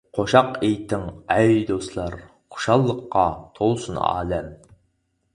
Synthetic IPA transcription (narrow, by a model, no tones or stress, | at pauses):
qʰoʃɑqejt̪ʰɪŋæjd̪oslˠɑɾ | qʰʊ̥ʃɑlˠːəqːɑt̪ʰolˠsunɑ̰ːlɛm